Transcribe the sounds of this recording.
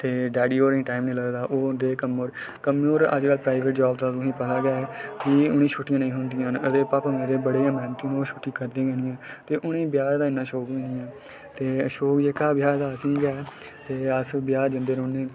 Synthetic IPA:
t̪eːɖɛːɖiːoːɾĩːʈaːimnẽːləɡd̪aːʔoːnd̪eːkəmoɾ | kəmoːɾə̰d͡ʒkəlpɾaːɪʋeːʈ̚d͡ʒaːbd̪aːt̪ʊsĩːpət̪aːɡɛːkiʊnĩːt͡ʃʰʊʈːɪjãːnəĩːɦʊnd̪ɪjãːnəd̪eːpãːpəmẽːɾeːbəɽeːãːmɛ̃ːnət̪ĩːnoːʃʰʊʈːiːkəɾd̪ẽːɡɛːñɪjãːt̪eːʔʊñẽːbjaːɾd̪aːɪnːãːʃoːkʋĩːnɪjãː | t̪eːʃoːkd͡ʒeːkaːbɪjaːɾd̪aːəsĩːɡɛː | t̪eːəsbjaːd͡ʒənd̪eːɾonːẽː

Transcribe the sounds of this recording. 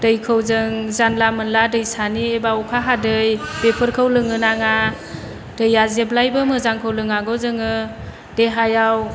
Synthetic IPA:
d̥ɯjkʰɯwzɯŋzanlamɯnladɯjsaniebaukʰaɦadɯjb̥epʰɯɾkʰɯwlɯŋɯnaŋa | d̥ɯjazeblajbɯmɯzaŋkʰɯwlɯŋaɡɔzɯŋɯ | d̥eɦajaw

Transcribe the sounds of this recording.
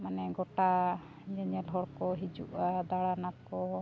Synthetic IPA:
manɛɡɔʈa | ɲɛɲɛlɦɔɽkɔɦid͡ʒuʔad̪aɽanat̪kɔ

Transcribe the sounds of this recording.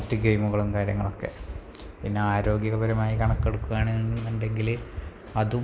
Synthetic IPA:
tːɨɡe̞jmuɣɐɭumkaːɾjɐŋːɐɭo̞kːe̞̰ | pinːe̞aːɾo̞ːɡjɐɣɐbɐɾɐmaːjikɐɳɐkːeɽukːuʋaːɳinːunɖe̞ŋɡil | ɐðu

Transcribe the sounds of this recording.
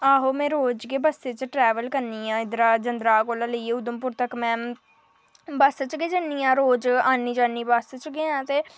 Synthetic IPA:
aːɦoːmɛ̃ːɾoːd͡ʒɡeːbəst̪et͡ʃʈɾɛːʋəlkəɾniːãːɪd̪ɾaːd͡ʒənd̪ɾaːkoːlãːləieːʊd̪əmpʊɾt̪əkmɛ̃ː | basət͡ʃɡeːd͡ʒənːiːãːɾoːd͡ʒaːnːiːd͡ʒaːniːbast͡ʃɡeːãːt̪eː

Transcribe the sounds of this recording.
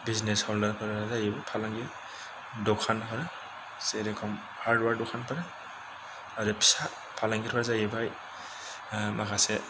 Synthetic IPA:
bizneshɔldɐɾpʰaɾaazajebapʰalaŋɡi | dɔkʰanpʰaɾa | seɾekʰɔm | haɾdwaɾdɔkʰanpʰaɾa | aɾepʰi̥sa | pʰalaŋɡiɾpʰaɾazajebaj | makʰase

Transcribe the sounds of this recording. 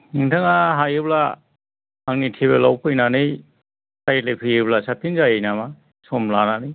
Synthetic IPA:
niŋtʰaŋaɦajɯbla | aŋnitʰiβelawpʰɯjnanɯj | sajlekʰɯjɯblasapinzajejnama | sɔmlananɯj

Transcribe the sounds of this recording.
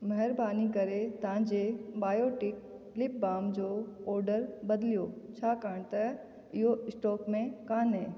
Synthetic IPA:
mɐɦɛɾbaːnikɐɾet̪ãd͡ʑebaːjoːʈɪk̚ | lɪp̚baːmd͡ʑoɔːɾɖəɾbɐd̪lijoːt͡ɕʰaːkaːɳ̃t̪ɐ | ɪɦoɪsʈɔːkmẽkaːnɦeː

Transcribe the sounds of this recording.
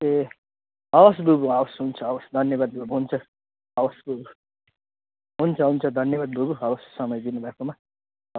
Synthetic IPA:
t̪e | ʌwʌsbʱubuʌwʌsɦunt͡sʰʌʌwʌsd̪ʱʌnjʌbad̪̚bʱubuɦunt͡sʰʌ | ʌwʌsbʱubu | ɦunt͡sʰʌɦunt͡sʰʌd̪ʱʌnjʌbad̪̚bʱuɡuɦʌwʌssʌmʌjd̪inubʱakoma

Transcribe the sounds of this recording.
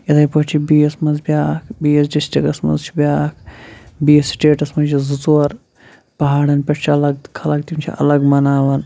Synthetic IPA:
jɐd̪ɐjpɐt͡ʃʰibiːesmɐzbʲjaːkʰbiːesɖisʈikɐsmɐ̰zt͡ʃʰi̥bʲaːkʰbiːessʈeːʈɐsmɐnt͡ʃʰizut͡soɐɾ | pɐɦaːɽɐnpʲɐʈt͡ʃʰiɐlɐɡ̚kʰɐlɐkt̪umt͡ʃʰḭʔɐ̰lɐɡmɐnaːʋɐn

